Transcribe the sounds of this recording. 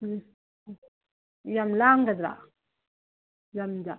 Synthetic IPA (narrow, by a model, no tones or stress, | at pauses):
jamlaːŋɡɐd̪ɾa̰ | jamd͡ʒa